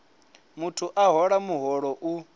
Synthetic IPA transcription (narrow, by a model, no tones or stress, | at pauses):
mutʰuʔaɦɔɺamuɦɔɺɔʔu